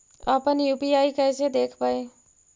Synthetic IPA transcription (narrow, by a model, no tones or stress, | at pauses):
əpənjuːpijaːikɛɪsed̪eːkʰpaːe